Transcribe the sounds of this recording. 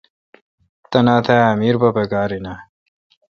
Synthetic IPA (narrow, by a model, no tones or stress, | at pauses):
t̪ɐnaːt̪ʰaɐmiːɾbɐpɐɡaːɾina